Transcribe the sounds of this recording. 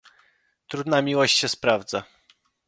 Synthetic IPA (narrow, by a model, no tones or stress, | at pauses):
t̪ɾud̪namʲiwɔɕt͡ɕɕɛspɾavd̪za